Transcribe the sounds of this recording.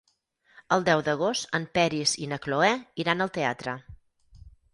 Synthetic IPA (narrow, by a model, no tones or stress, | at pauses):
əlˠd̪ɛwd̪əɣ̞ost̪əmpɛɾizinəkloɛiɾanəlˠt̪ea̰t̪ɾə